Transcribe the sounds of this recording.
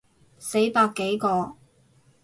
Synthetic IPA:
se˨˥jpaː˧kːe˨˥jkɔː˧

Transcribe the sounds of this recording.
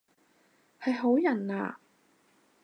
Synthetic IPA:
hɐ˨jɦo˨˥wjɐ˨˩nla̰ː˨

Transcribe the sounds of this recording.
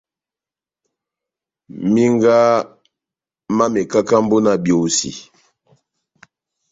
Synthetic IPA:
mi˦ŋɡa˦ | ma˦mɛ˨ka˦ka˦m̩˦bo˦na˨bjo˨sḭ˨

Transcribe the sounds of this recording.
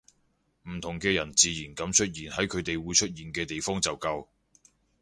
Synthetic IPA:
m̩˨˩t̪ʰʊ˨˩ŋkɛː˧jɐ˨˩nt͡siː˨˧jiː˨˩nkɐ˨˥mt͡ʃʰɵ˥t̚jiː˨˩nhɐ˨˥jkʰɵ˨˧ɥt̪e˨jwuː˨˧jt͡ʃʰɵ˥t̚jiː˨nkɛː˧t̪e˨jfɔː˥ŋt͡sɐ˨wkɐ˧w

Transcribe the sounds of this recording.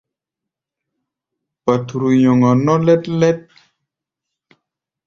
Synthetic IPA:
pa˨tu˨ɾu˨jɔ˨ŋa˨nɔ˦lɛ˦tlɛ˦t̚

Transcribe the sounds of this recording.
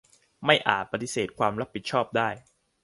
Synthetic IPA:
ma˥˩jʔa̰ː˨˩t̪̚pa˧t̪i˧˩seː˨˩t̪̚kʰwaː˧mɾa˦˥pʰːi˨˩t̪̚t͡ɕʰɔː˥˩p̚daː˥˩j

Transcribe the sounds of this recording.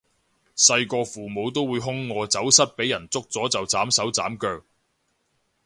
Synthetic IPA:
sɐ˧jkɔː˧fuː˨mo˨˧wt̪o˥wːuː˨˧jɦʊ˥ŋːɔː˨˧t͡sɐ˨˥wsɐ˥t̚pe˨˥jɐ˨˩nt͡sʊ˥k̚t͡sɔː˨˥t͡sɐ˨wt͡saː˨˥msɐ˨˥wt͡saː˨˥mkœː˧k̚

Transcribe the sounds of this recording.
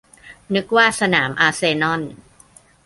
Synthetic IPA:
nɯ˦˥k̚waː˥˩sa˧naː˩˦mʔaː˧seː˧nɔ˥˩n

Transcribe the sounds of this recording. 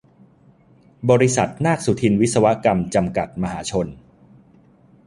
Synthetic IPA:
bɔː˧ɾi˧sa˨˩t̪̚naː˥˩k̚su˨˩t̪ʰi˧nwi˦˥t̪̚sa˧wa˦˥ka˧mt͡ɕa˧mka˨˩t̪̚ma˧ɦaː˩˦t͡ɕʰo˧n

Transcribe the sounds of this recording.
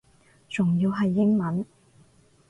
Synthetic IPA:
t͡sʊ˨˩ŋjiː˧wɦɐ˨jːɪ˥ŋmɐ˨˥n

